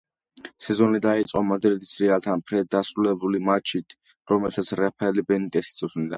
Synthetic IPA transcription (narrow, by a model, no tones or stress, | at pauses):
sɛzɔnid̪ait̪sʼqʼɔmad̪ɾid̪i̥sɾialt̪ʰanpʰɾɛd̪asɾulɛbulimat͡ʃʰit̪ʰ | ɾɔmɛlt̪ʰat̪sʰɾɛpʰɛlibɛnit̪ʼɛsi̥sʰʼɔsnid̪a̰